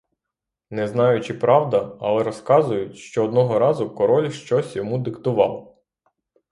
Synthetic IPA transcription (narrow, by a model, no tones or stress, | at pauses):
nɛznɑjʊt͡ʃɪpɾɑwd̪ɐɐ̰lˠɛɾɔskɑzʊjʊtʲʃt͡ʃɔːd̪nɔɦɔɾɑzʊkɔɾɔlʲʃt͡ʃɔsʲjɔmud̪ɪkt̪ʊʋɑ̰lˠ